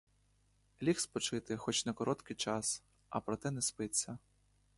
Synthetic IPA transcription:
lʲixspɔt͡ʃɪt̪ɪxɔt͡ʃnɐkɔɾɔt̪kɪjt͡ʃɑs | ɐ̰pɾɔt̪ɛnɛspɪt̪ʲt͡sʲːɐ

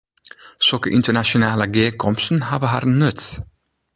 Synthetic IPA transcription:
sɔkəʔɪnt̪ənaʃʊnaːləɡeːkʰɔmpsn̩haːvəɦaɾnɵt̪

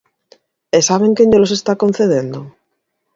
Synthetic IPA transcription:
esaβ̞eŋkeɲolosest̪akon̟θeðend̪o

